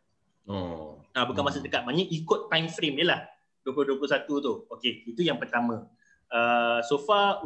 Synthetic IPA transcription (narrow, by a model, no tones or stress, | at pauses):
o̰abukanmasədəkat̪̚maɲə̃ʔikʊt̪ːãjmfɾemjiəlah | duəploduəplʊsat̪ut̪uokeit̪ujaŋpərt̪amã | əsofa